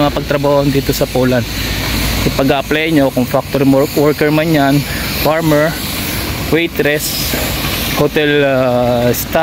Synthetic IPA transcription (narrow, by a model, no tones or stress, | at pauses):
ɐŋɐpɐɡ̚t̪ɾɐbaːhond̪iːt̪osɐpoːlansɐpɐɡaʔɐplajɲo̞kʊŋfak̚t̪oɾmowɔɹkɛɹmɐnjan | faɹmɛɹ | wɛjt̪ɾɛs | hot̪ɛl | st̪a